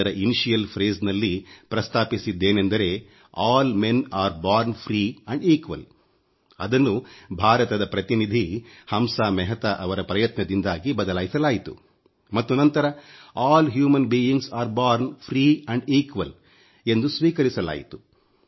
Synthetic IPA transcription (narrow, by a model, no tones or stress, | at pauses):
ɐɾɐʔiniʃijɐlpʰɾeːznɐlːipɾɐst̪ʰaːpisid̪ːe̞ːnend̪ɐɾe̞ː | aːlme̞naːɾbaːɾnpʰɾiːɐɳɖiːkʋɐ̰l | ɐd̪ɐnːubʱaːɾɐt̪ɐd̪ɐpɾɐt̪inid̪ʱihɐmsaːmɛɦɐt̪ɐʔɐʋɐɾɐpɾɐjɐt̪nɐd̪ind̪aːɡibɐd̪ɐlaːjisɐlaːjit̪ṵ | mɐt̪ːunɐnt̪ɐɾɐaːlɦjuːmɐnbiːiŋɡsaːɾbaːɾnpʰɾiːɐɳɖiːkʋɐl | e̞nd̪usʋiːkɐɾisɐla̰ːjit̪u̥